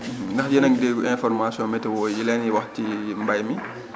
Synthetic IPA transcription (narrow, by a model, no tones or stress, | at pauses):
ndaxjɛnaŋdeɡuʔɛnfɔɾmasiɔ̃nmɛtɛwɔjilaniwaxtimbajmi